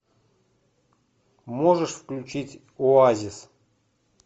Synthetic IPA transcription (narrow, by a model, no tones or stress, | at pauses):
moʐəʂfklʲut͡ɕitʲ | oazʲɪs